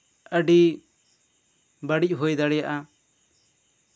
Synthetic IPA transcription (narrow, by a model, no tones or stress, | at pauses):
əɖi | bəɽic̚ˀɦujd̪aɽɛjaʔa